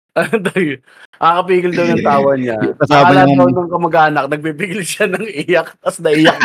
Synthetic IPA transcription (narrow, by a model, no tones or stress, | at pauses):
ɐd̪ɐɡ | ʔakɐp̬iːɡɪld̪ownɐŋt̪aːwɐɲakɐsaːɐɐd̪ɐnɐŋkɐmɐɡʔaːnɐk̚nɐɡ̚pipiɡɪlʃanɐŋʔɪjɐk̚t̪ɐsnɐʔɪjɐk̚